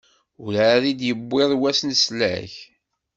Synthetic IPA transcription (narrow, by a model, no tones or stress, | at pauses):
ʊlaɾid̪jəbːɪðˤwæsnslæ̰ç